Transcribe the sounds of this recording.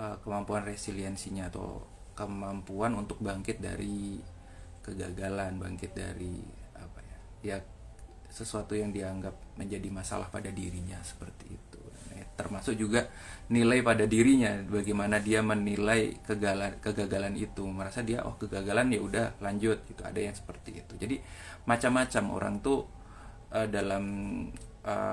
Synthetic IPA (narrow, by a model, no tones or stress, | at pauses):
əkəmampuanresiliɛnsiɲaːt̪a̰ | kəmampuanunt̪ʊk̚baŋkɪt̪̚da̰ɾi | kəɡaɡalanba̰ŋkɪt̪̚da̰ɾḭa̰paja | ja | səsuat̪ujaŋdiaːŋɡap̚məɲd͡ʒadimasa̰lahpa̰dadiɾiɲa̰sə̥pərt̪ḭːt̪u̥t̪ərmasʊk̚d͡ʒuɡa | nilaipadadiɾiɲabaɡimanadiamənilaikəɡalakəɡaɡalanit̪uməɾasadia̰wa̰hkəɡaɡalanijaudahlaɲd͡ʒʊt̪̚ɡit̪ua̰dajaŋsə̥pərt̪iːt̪ud͡ʒadimat͡ʃamːat͡ʃamo̰ɾa̰ŋt̪u | ʔədalam | ʔə̰